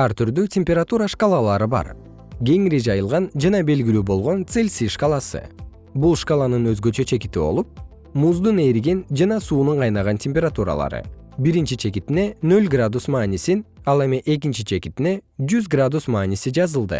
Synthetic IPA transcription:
ɑɾt̪ʰyɾd̪øtʲe̞mʲpʲe̞ɾat̪uɾaʂkalˠɑlˠɑɾɯbɑ̰ɾ | ɡʲe̞ŋiɾid͡ʒɑjɯlˠʁɑnd͡ʒɑnɑbe̞lɡilyːbo̞lˠʁo̞nt̪selʲsiʂkalˠɑsɯ̰ | bulˠʂkalˠɑnɯnø̞zɡø̞t͡ʃø̞t͡ʃʰe̞kit̪ibo̞̰lˠup̚ | muzd̪une̞ɾiɡend͡ʒɑnɑsuːnuɴqʰɑjnɑʁɑntʲʰe̞mʲpʲeɾat̪uɾɑ̰lˠɑ̰ɾɯ̰ | biɾint͡ʃit͡ʃʰe̞kit̪ine̞nø̞lʲɡrad̪usmɑːnisinɑlˠe̞miʔe̞k̬int͡ʃit͡ʃʰe̞kit̪ine̞d͡ʒyzɡrad̪usmɑːnʲisid͡ʒɑzɯlˠd̪ɯ̰

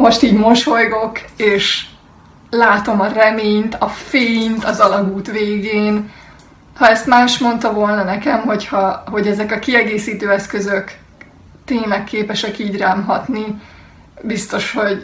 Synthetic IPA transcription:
mo̞ʃt̪iːɟmo̞ʃo̞jɡo̞keːʃ | laːt̪o̞mɒrɛmeːɲt̪ɒfeːnt̪ɒzɒlɒɡuːt̪ʋeːɡeːn | hɒɛst̪maːʃmo̞nt̪ɒvo̞ːlnɒnɛkɛmɦo̞chɒɦo̞ɟɛzɛkɒkiɛɡeːsiːt̪øːɛskøzøk | t̪eːmɛkʰːeːpɛʃɛkiːɟraːmɦɒt̪ni | bist̪o̞ʃho̞ɟ

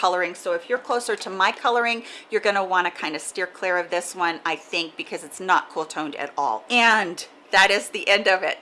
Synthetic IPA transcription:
kʰʌlˠə˞ɪ̃ŋsoʊɨfjə˞kʰl̥oʊsə˞ɾəmaɪkʰʌlˠə˞ɪ̃ŋjə˞ɡʌnəwɑ̃ñɨkʰãɪ̃ndɨstɪɹkʰl̥ɪɹʌvðɪswʌ̃naɪθɪ̃ŋk̚b̥ɨkʰʌzɨtsnət̚kʰolˠtʰõʊ̃ndɨ̰ɾɔ̰lˠɨ̃n | ðɨɾɪzðiʔɛ̃ndʌvɪ̰t̚

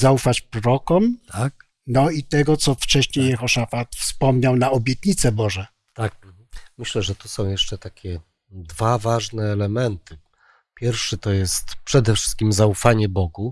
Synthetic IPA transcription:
zaufat͡ɕpɾɔɾɔkɔmt̪ak̚ | nɔit̪ɛɡɔt̪sɔft͡ʂɛɕɲejɛxɔʂafat̪fspɔmɲawnaɔbʲjɛt̪̚ɲit̪sɛbɔʐɛ | t̪ak̚ | mɘɕlɛʐɛt̪usɔ̃w̃jɛʂt͡ʂɛt̪akʲʰɛ | d̪vavaʐnɛːlɛmɛnt̪ɘ | pʲjɛɾfʂɘt̪ɔjɛst̪pʂɛd̪ɛfʂɘ̥st̪̚kʲimzaufaɲɛbɔɡu

